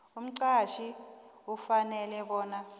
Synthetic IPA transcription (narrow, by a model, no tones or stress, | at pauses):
um̩ǀaʃiufanɛlɛɓɔːna